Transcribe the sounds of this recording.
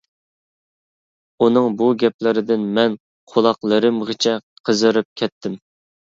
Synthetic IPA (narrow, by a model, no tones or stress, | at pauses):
unɨŋbuɡʲɛp̚lɪɾɪd̪ɪnmɛn | qʰolˠɑqlˠəɾɨmʁət͡ʃʰɛ | qʰəzɨɾɨp̚kʲʰɛt̪ʰːɪm